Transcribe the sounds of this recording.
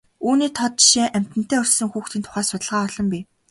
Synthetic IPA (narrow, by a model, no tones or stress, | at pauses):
uːniːt̪ʰɔt̪̚t͡ɕʃeːʔæm̥ʲt̪ɘ̆n̥t̪eæːɵr̥sɘ̆ŋxuːxt̪iːnt̪ʰʊ̥χæːsʊt̪ə̆ɮʁaːɔɮɞ̆mpiː